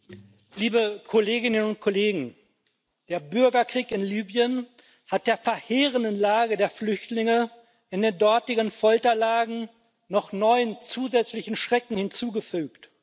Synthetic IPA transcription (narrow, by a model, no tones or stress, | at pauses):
liːbəkʰoleːɡɪnənʊnt̚kʰɔleːɡŋ̩ | d̥eːɐbʏɐɡɐkʁ̥iːkɪnlyːbjən | hat̚d̥eːɐfɛɐheːʁəndənlaːɡədeːɐflʏçtlɪŋə | ʔɪndeːndɔɐtɪɡənfɔltɐlaːɡŋ̩ | nɔχnɔʏənt͡suːzɛt͡slɪçn̩ʃʁ̥ɛkŋ̩hɪnt͡suːɡəfyːkt